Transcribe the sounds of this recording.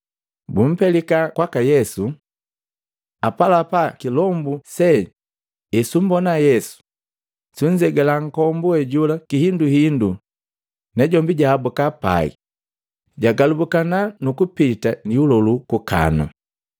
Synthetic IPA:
bum̩pɛlikakwakajɛsu | apalapakilɔmbusɛ | isum̩bɔnajɛsu̥ | suɲ̩d͡ʒɛɡɛlaŋ̩kɔmbuɛɟulakihinduhindu | nɛɟɔmbiɟaːbukapa̰ḭ | ɟaɡalubukananukupitaniulɔlukuka̰na̰

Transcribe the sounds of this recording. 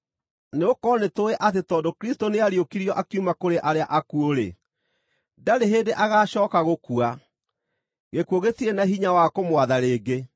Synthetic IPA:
neokɔnetoeʔatetɔːndokɾistoneaɾjokiɾiɔʔakiumakoɾeʔaɾeaʔakuoɾḛ | daɾeɦeːdeʔaɣaːɕɔːkaɣokua | ɣekuoɣetienaɦiɲawakomwaðaɾeːɡe

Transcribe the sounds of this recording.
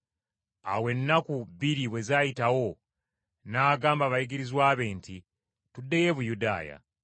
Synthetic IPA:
a̰we̞nːakuβiɾiβwe̞zaːjitawo̞ | naːɡaːmbaβajiɡiɾizwaːβe̞ːnti | tudːeje̞βujuda̰ːja̰

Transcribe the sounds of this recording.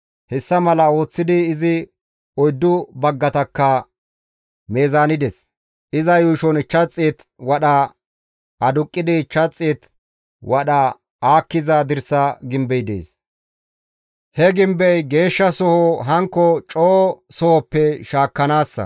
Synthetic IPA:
hɛsːɐmɐlɐo̞ːt͡sːɪd̪ɪːzɪ | ɔjd̪ːʊbɐɡːɐt̪ɐkːɐ | meːzaːnɪd̪ɛs | ʔɪzɐjuːʃɔnɪt͡ʃːɐt͡sʼːeːt̪ | wɐɗɐ | ɐd̪ʊkʼːɪd̪ɪːt͡ʃːɐt͡sʼːeːt̪ | wʔɐɗɐ | aːkːɪzɐd̪ɪɾsɐɡɪmbɛjd̪ḛːs | hɛɡɪmbɛjɡe̞ːʃːɐsɔhɔɦɐŋkːɔt͡ʃʼoːsɔhɔpːɛʃaːkːɐnaːsːɐ̰

